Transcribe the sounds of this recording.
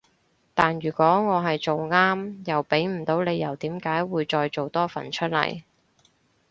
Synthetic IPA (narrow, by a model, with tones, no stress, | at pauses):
t̪aː˨nɥyː˨˩kʷɔː˨˥ŋɔː˨˧ɦɐ˨jt͡ʃo˨wŋaː˥mjɐ˨˩wpe˨˥jm̩˨˩t̪o˨˥wle˨˧jːɐ˨˩wt̪iː˨˥mkaː˨˥jwuː˨˧jt͡ʃɔː˧jt͡so˨wt̪ɔː˥fɐ˨˩nt͡ʃʰɵ˥t̚lɐ̰˨˩j